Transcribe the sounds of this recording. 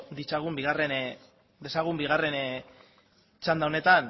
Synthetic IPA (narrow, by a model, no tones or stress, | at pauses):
d̪it͡ʃaɣumbiɣare̞n | d̪e̞saɣumbiɣare̞n | t͡ʃand̪ao̞ne̞t̪an